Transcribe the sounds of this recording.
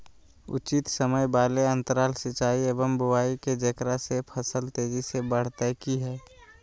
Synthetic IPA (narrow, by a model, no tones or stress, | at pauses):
ʊ̰t͡ʃɪt̪səməjbaːleə̃nt̪əɾaːlsɪt͡ʃaːieːbəmbʊwaːiked͡ʒəkɾasepʰəsəlt̪eːd͡ʒisebəɽ̤t̪akiɦɛː